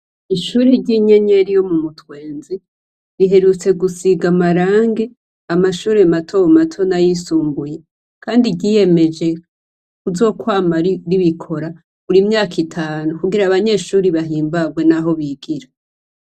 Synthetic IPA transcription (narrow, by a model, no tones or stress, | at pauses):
iʃuːɾiɟiɲeɲeɾijo̞mumutwe̞ːnzi | ɾiɦe̞ɾut͡se̞ɡusiɡamaɾaːŋɡe̞ | amaʃuːɾematʰo̞matʰo̞najisuːmbuje̞ | kaːndiɟiːje̞me̞d͡ʒe̞ | kuzo̞ːkwaːmaɾiβikʰo̞ɾa | uɾimɲaːkitʰaːnukuɡiɾaβaɲe̞ːʃuːɾiβaɦiːmbaɡwe̞naɦo̞βiɡiɾa